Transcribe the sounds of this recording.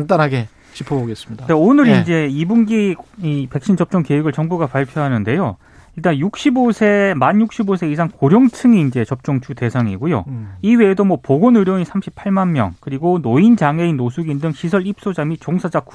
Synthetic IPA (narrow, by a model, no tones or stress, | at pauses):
ntanɦaɡe̞ | t͡ɕipʰoboɡes͈ɯmɲidneonɯɾind͡ʑe̞ibunɡiipe̞k̚ɕ͈ʰint͡ɕʌp̚t͡ɕ͈ʌŋkeɯɡɯɭt͡ɕʌŋbuɡapaɭpʰjoɦanɯnde̞jo | iɭt͈anjuk̚ɕ͈ibosʰe̞manjuk̚ɕ͈ʰibos̬ʰe̞isʰaŋkoɾjʌŋt͡ɕʰɯŋiːnd͡ʑe̞t͡ɕʌp̚t͡ɕ͈ʌŋt͡ɕʰute̞sʰaŋḭɡujo̰iwe̞ːdomwʌpoɡonɯɾjʌɲisʰamɕʰi̥pʰaɭmanmjʌ̰ŋkɯɾiɡonoind͡ʑaŋe̞inosʰuɡindɯŋɕʰisʰʌɾip̚s͈od͡ʑamit͡ɕoŋsʰad͡ʑaku